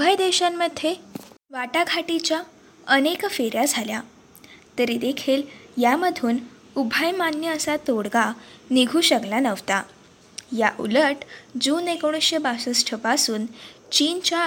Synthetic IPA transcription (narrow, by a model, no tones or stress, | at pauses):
ubʱəjd̪eɕamːəd̪ʱjeʋaʈaɡʱaʈit͡ɕja | ənekfeɾjad͡zʱalja | t̪əɾid̪ekʰiːljaməd̪ʱuːn | ubʱajmanjəəsat̪oɽɡaniɡʱuːɕəɡlanəʋt̪a | jaʔṵləʈd͡zuːnekoɽ̃əɕebasəsʈʰəpasuːn | t͡ɕiːnt͡ɕa